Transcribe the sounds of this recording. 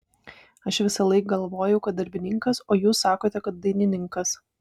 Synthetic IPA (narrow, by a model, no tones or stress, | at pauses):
ɐʃʋʲɪsɐlˠɐɪk̚ɡɐlˠʋoːjɛʊkɐt̪̚d̪ɐɾʲbʲɪnʲɪŋkɐsoːjuːsːɑːkoːt̪ʲɛkɐt̪̚d̪ɐɪnʲɪnʲɪŋkɐs